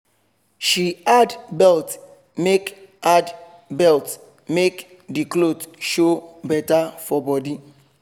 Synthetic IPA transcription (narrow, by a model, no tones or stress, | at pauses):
ʃiadbɛlt | mekad | bɛlt | mek | diklotʃobɛtafɔbɔdi